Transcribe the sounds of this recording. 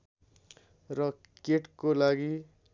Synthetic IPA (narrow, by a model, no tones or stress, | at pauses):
rʌ | keʈkolaɡi